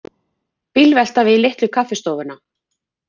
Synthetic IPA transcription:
pilvɛl̥t̪avɪlɪht̪lʏkʰafɪst̪owvʏna

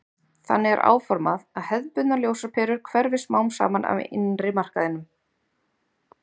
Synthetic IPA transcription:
θa̰nːɪɛ̰ɾʔa̰ːwfɔɾmaðaðhɛðpʏt̪naljoːwsapʰɛːɾʏɾ̥kʰvɛɾvɪsmaːwmsa̰ːmanʔa̰vɪ̰nrɪmar̥kaðɪnːʏm

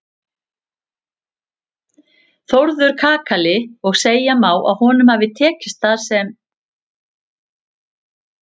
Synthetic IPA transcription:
θowɾðʏɾ̥kʰaːkalɪɔɣseːjamaːwʔa̰ðhɔːnʏmhavɪt̪ʰɛːcɪst̪θaðsɛm

